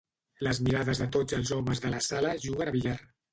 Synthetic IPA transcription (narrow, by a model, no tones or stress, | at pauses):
ləzmiɾaðəzðət̪od͡zəlˠzɔməzðələsaləʒuɣənaβiʎar